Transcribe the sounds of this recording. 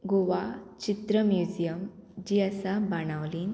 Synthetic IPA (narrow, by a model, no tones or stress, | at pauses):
ɡoʋat͡ɕit̪ɾəmjud͡ʑijəmd͡ʑiəsabaɽ̃aʋliːn